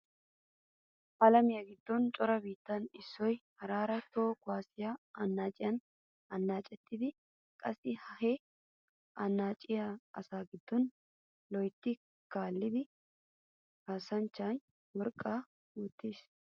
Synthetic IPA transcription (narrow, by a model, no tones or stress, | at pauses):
ʔɐlɐmɪjɐɡɪd̪ːɔnt͡ʃʼɔɾɐbiːt̪ːɐnɪsːɔjhɐɾaːɾɐt̪oːkʊaːsɪjaɐnːaːt͡ʃʼɪjɐn | ɐnːaːt͡ʃʼɛt̪ːɪd̪ɪ | kʼɐsɪhɐhe | ʔɐnːaːt͡ʃʼɪjaɐ̰saːɡɪd̪ːɔn | lɔjt̪ːɪ | kaːlːɪd̪ɪ | haːsɐnt͡ʃːaːn | wɔɾkʼːaː | ut̪ːis